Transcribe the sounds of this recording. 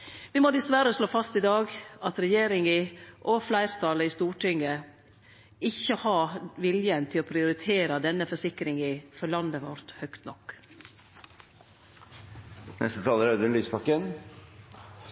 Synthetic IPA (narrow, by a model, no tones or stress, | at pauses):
ʋɪmoːd̪ɪsʋæɾəʂloːfɑst̪ɪd̪ɑːɡɑt̪ɾɛjeːɾɪŋɪʔɔflæɪɾt̪ʰɑləɪst̪uːʈɪŋə | ɪçːəhɑːʋɪljənt̪ʰɪlɔːpʰɾɪʊɾɪt̪ʰeːɾəd̪ɛnːəfɔʂɪkɾɪŋifɔɭɑnd̪əʋɔ̰ɾt̪hœkt̪nɔkː | nɛ̰st̪ət̪ʰɑːləɾœd̪ənlyːspɑkːən